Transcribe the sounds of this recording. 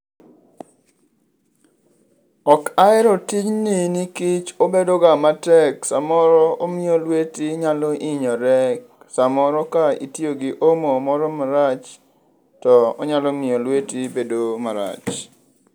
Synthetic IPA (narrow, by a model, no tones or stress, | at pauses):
ɔkaɛɾɔtiɲninikit͡ʃobedoɡamatɛksamɔɾɔomɪolwetiɲalɔʔiɲɔɾɛk | samɔɾɔkaḭtijoɡiʔomomɔɾɔmaɾat͡ʃ | tɔɔ̰ɲalɔmɪolwetibedomaɾa̰t͡ʃ